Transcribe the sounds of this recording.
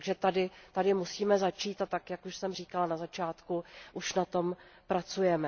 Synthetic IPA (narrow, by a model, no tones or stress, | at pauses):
ɡʒɛt̪adɪt̪adɪmusiːmɛzat͡ʃiːt̪at̪ːakjakuʃsɛmr̝iːkalanazat͡ʃaːt̪kuʔuʃnat̪o̞mpɾat͡sujɛmɛ